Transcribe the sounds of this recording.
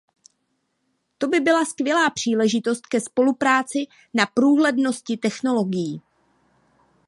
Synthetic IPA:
t̪o̞bɪbɪlaskvjɛlaːpr̥iːlɛʒɪt̪o̞st̪kɛspo̞lupɾaːt͡sɪ | napɾuːɦlɛdno̞scɪt̪ɛxno̞lo̞ɡɪjiː

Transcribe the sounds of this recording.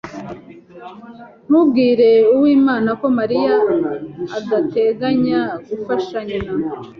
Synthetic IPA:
m̥ub̚ɡiːɾe̞uwiːmaːnako̞maɾija | aɡate̞ɡaɲaɡufaʃaɲana

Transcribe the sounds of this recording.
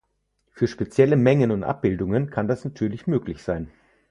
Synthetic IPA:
fyːɐʃpet͡sjɛləmɛŋənʊntʔa̰p̚b̥ɪldʊŋənkʰandasnatʰyːɐlɪçmøːklɪçz̥aɪn

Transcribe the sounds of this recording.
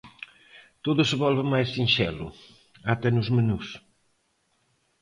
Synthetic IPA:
t̪oðʊseβɔlβəmajsĩnʃɛlʊ̰ | at̪ɛnʊzmenus

